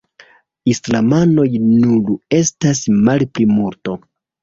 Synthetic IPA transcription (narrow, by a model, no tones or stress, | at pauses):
islamano̞jnule̞stasmalplimuɾto̞